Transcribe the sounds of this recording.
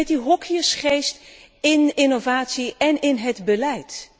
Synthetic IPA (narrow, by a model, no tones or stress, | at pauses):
ɛtdiɦɔkiəsχejst | ɪnɪnovaːtsiɛnɪnɦədbəlɛjt